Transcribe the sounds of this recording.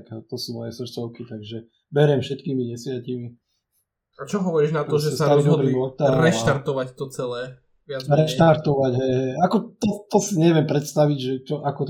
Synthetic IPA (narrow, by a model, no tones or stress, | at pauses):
kt̪ɔsuːmɔjɛsr̩t͡sɔʊkit̪aɡʒɛ | bɛɾɛmfʃɛt̪kiːmiɲɛsʋɪacimi | at͡ʃɔɦɔʋɔɾiʒnat̪ɔʒɛsɛsaalid̪ɔbɾiːmɔt̪aɾɛʃt̪aɾt̪ɔʋact̪ɔt͡sɛlɛː | ʋɪazɾɛʃt̪aɾt̪ɔʋaɟɦɛjɦɛakɔt̪ɔt̪ɔsiɲɛʋɪɛmpɾɛt̪st̪aʋiɟʒɛt͡ʃɔʔakɔt̪